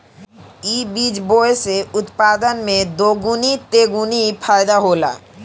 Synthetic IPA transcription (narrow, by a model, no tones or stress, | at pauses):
ibid͡ʑboeseut̪pad̪anmed̪oɡunit̪eɡunifʰaed̪aɦola̰